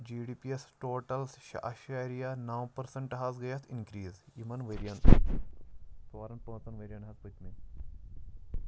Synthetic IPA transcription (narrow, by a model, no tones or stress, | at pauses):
d͡ʒiːɖiːpiesʈoːʈɐlsʃʔɐ̰ʃaːɾijanaːwpɐɾsɐɳʈɦaːzɡɐjɐt̪ʰinkɾiːzjimɐnʋeːɾijɐnt̪ | t̪oːɾɐnpɐ̃ːt̪ɐnʋeɾʲijɐɳɦɐzpɐt̪mi